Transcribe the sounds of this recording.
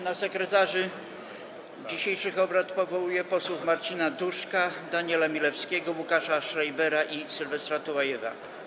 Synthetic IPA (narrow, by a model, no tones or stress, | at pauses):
nasɛkɾɛt̪aʐɘ | d͡ʑiɕejʂɘxɔbɾat̪pɔvɔwujɛpɔswufmaɾt͡ɕinad̪uʂkad̪aɲɛlamʲilɛfskʲɛɡɔwukaʂaʂɾajbɛɾaʔisɘlvɛst̪ɾat̪ɔwajɛva̰